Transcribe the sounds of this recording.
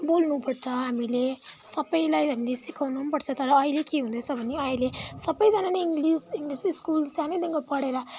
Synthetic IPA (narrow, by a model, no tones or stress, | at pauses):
bolnupʌɽt͡sʰʌɦamilesʌbʌjlajɦamilesikʰawnunpʌɽt͡sʰʌt̪ʌɾʌːilekeɦũnd̪ʌt͡sʰʌbʱʌneʌilesʌbʌjd͡zananeiŋɡlisiŋɡlisiskulsaned̪iŋɡopʌɽeɾʌ